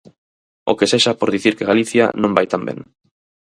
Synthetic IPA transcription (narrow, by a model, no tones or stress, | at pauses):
o̰keseʃapoɾðiθiɾkeɣaliθja̰nõmbajt̪ambḛŋ